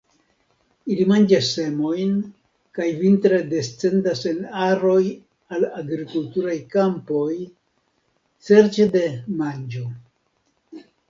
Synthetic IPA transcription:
ilimand͡ʒasːe̞mo̞jn | kajvintɾe̞de̞st͡se̞ndase̞naɾo̞j | alaɡɾikultuɾajkampo̞j | t͡se̞ɾt͡ʃede̞mand͡ʒo̞

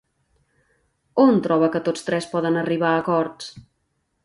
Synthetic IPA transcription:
ont̪ɾɔβəkət̪ot͡st̪ɾɛspɔðənəriβ̞aəkɔɾt͡s

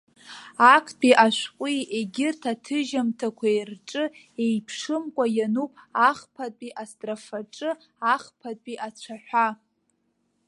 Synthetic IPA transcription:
akʰpʼiʔaʃʷqʷʼieɡʲɪrtʰatʰɨʒamtʰakʷʰaerʈ͡ʂʼɨ | ejpʰʂɨmkʷʼajanupʼaχpʰatʼiʔastʼrafaʈ͡ʂʼɨ | aχpʰatʼpʼiʔat͡ɕʷʰaħʷᶣa

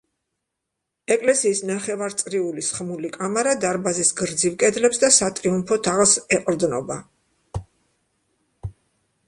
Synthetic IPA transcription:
ɛkʼlɛsiːsnaχɛvaɾt̪sʼɾiulisχmulikʼamaɾad̪aɾbazisɡɾd̪zivkʼɛd̪lɛpsd̪asat̪ʼɾiumpʰɔt̪ʰaʁlˠsɛqʼɾd̪nɔba

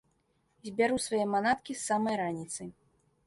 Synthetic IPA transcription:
zʲbʲaɾusvajɛmanat̪kʲisːamɐjɾanʲit̪sɨ

